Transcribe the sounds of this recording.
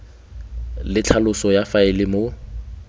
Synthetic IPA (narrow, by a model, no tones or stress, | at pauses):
lɪt͡ɬʰalʊsɔjafaɪlɪmo